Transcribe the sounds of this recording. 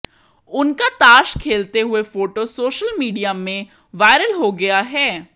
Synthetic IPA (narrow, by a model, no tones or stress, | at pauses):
ʊnkaːt̪aːʃkʰeːlt̪eɦʊeːpʰoːʈoːsoːʃəlmiːɖijaːmẽ | ʋaːɪɾəlɦoːɡɪaːɦɛː